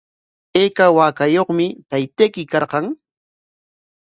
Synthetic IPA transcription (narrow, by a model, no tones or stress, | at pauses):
ejkawaːkajoχmɪt̪ajt̪ejkɪkɑɾqɑŋ